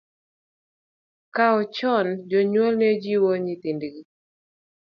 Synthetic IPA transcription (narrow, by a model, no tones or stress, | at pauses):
kaɔt͡ʃɔnd͡ʒɔɲwɔlned͡ʒiwoɲit̪indɡi